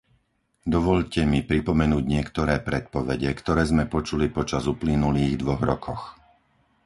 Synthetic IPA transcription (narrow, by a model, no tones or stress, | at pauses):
d̪ɔʋɔʎcɛmipɾipɔmɛnuːɟɲɪɛkt̪ɔɾɛːpɾɛt̪̚pɔʋɛɟɛkt̪ɔɾɛːzmɛpɔt͡ʃulipɔt͡ʃazuplinuliːɣd̪ʋɔɣɾɔkʰɔx